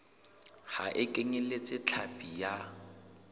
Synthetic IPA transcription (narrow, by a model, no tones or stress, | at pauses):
haʔɪkʼeŋelet͡sʼɪt͡ɬʰapʼija